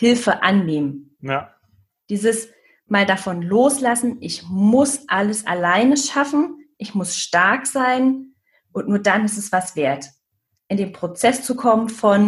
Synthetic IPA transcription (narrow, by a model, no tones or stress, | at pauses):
hɪlfəʔanːeːmən | d̥iːzəs | maːldafɔnloːslasn̩ʔɪçmʊsʔaləsʔa̰laɪnəʃafn̩ʔɪçmʊsʃtaɐkz̥aɪn | ʔʊntnuːɐdanɪstɛsv̥asv̥eːɐt | ʔɪndeːnpʁ̥ot͡sɛst͡sukʰɔmənfɔn